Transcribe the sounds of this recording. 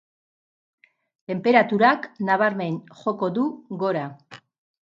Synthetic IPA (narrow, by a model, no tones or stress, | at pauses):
t̪e̞mpe̞ɾat̪uɾaknaβaɾme̞nʝo̞ko̞ðuɣo̞ɾa